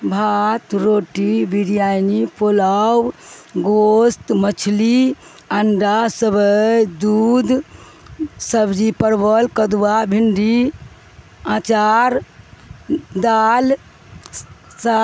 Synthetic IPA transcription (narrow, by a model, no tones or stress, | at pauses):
bʱat̪ɾoʈibiɾjajnipolawɡost̪mət͡ʃʰli | əɳɖasəbəjd̪ud̪ | səbd͡ʒipəɾbəlkəd̪wabʱiɳɖi | ãt͡ʃaɾ | d̪al | sa